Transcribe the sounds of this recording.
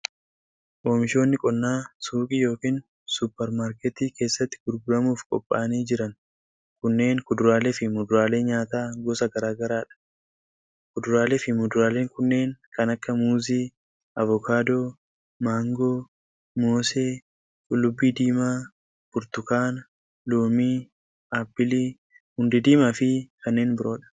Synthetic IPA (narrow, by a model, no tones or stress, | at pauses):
ʔoːmɪʃo̞ːnːɪkʼɔnːaːsuːkʼijo̞ːkiːn | sʊpːɛɾmaːɾkɛt̪iːke̞ːsːɐt̪ːɪ̥ɡʊɾɡʊɾɐmuːfkʼɔ̰pʼːa̰ːniːd͡ʒɪɾɐn | kʊnːe̞ːŋkʊd̪ʊɾaːlefɪmʊd̪ʊɾaːle̞ːɲaːt̪aːɡɔsɐɡɐɾaːɡɐɾaːᶑɐ̥ | kʊd̪ʊɾaːleːfɪmʊd̪ʊɾaːle̞ːŋkʊnːe̞ːŋkɐnɐkːɐmuːziː | ʔɐvɔkaːd̪oː | maːŋɡoː | moːseː | kʼʊlːʊbːiːd̪iːmaː | b̥ʊɾt̪ʊkaːn | loːmiː | aːpːɪliː | hʊnd̪ɪd̪iːmɐfɪkɐnːe̞ːnbɪɾo̞ːᶑɐ̥